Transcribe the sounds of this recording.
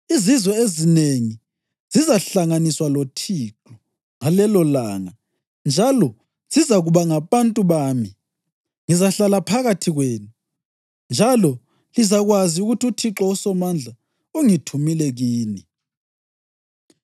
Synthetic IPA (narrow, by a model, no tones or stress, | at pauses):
izizwɛezineŋi | z̥izaɬaŋaniswalotʰiǁɔ | ŋalɛlɔlaŋa | nd͡ʒʱalɔ | z̥izaɣuβaŋaβantʼuβaːmi | ŋizaɬalapʰaɣatʰiɣweːnu | nd͡ʒʱalɔ | lizaɣwaziuɣutʰiutʰiǁɔusɔmand͡ɮʱa | uŋitʰumilɛɣiːni